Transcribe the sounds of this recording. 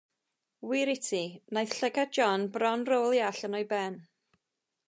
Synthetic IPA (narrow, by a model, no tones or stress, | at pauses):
wiɾɪtʰinajθɬɛɡad̚d͡ʒɔnbrɔnrolˠiaɬənɔjbɛn